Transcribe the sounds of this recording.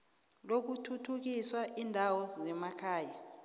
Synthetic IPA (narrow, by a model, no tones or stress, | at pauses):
lok̬utʰutʰuk̬iswaʔindʱawɔzɛmakʰaːja